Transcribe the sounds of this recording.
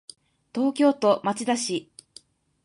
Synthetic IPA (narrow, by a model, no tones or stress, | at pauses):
t̪o̞ːkʲo̞ːt̪o̞mat͡ɕid̪aɕi